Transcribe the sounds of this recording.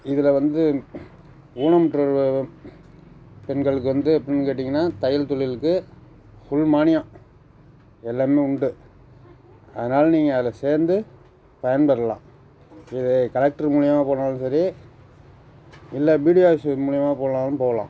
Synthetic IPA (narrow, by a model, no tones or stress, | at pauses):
ɪðɯlɐʋɐnd̪ɯ | uːnɐmɐʈːɾɐɾ | pɛnɡɐɭɯk̬ːɯʋɐnd̪ɯɐpːɐɽɪnːɯkeːʈ̬ːɪŋɡɐnːaːt̪ɐjɪlt̪ɔɭɪlɯkːɯ | fʊɭmaːnɪjãː | ɛlːaːmeːʊɳɖɯ | ɐðɐnaːlniːŋɡɐɐðɪlɐseːɾnd̪ɯ | pɐjɐnpɐɾɐlã̰ː | ɪðɛkɐlɐk̚ʈɐɾmuːɻɪjɐmaːpoːnaːlɯnsɐɾi | ɪlːɐbiːɽɪjaːsmuːɻɪjɐmaːpoːnaːlɯnpoːɐlã̰ː